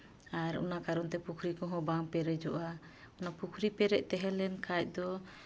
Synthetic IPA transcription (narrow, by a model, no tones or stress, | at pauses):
aɾɔ̰nakaɾɔnt̪ɛpukʰɾikɔ̃ɦɔ̃baŋpɛɾɛd͡ʒɔʔa | ɔnapukʰɾipɛɾɛʔt̪ɛɦɛlɛnkʰac̚ˀd̪ɔ